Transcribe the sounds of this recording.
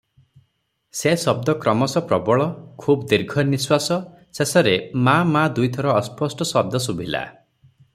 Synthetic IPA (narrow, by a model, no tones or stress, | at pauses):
sesɔb̚d̪ɔkɾɔmɔsɔpɾɔbɔɭɔkʰubd̪iɾɡʱɔɾniswasɔ | sesɔɾemamad̪ujt̪ʰɔɾɔːspɔsʈɔsɔb̚d̪ɔsubʱila̰